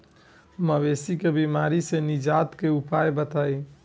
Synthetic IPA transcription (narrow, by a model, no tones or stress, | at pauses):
məʋesikebimaɾisenid͡ʒat̪keupajbət̪aj